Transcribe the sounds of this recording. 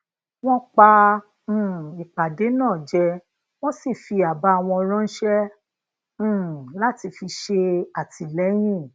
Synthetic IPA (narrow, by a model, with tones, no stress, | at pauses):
w̃ɔ̃˦k͡pã˧˦˨ | i˨k͡pa˨de˨˦nãː˦˨d͡ʒɛ˧ | w̃ɔ̃˦si˦˨fi˧a˨ba˧˦˧w̃ɔ̃˧ɔ˧ɾ̃ɔ̃˦n̩˦ʃɛ̃˦˧˨ | la˦ti˧fi˧ʃe˧a˨tʰi˧˨lɛ˨˦j̃ĩ˦˨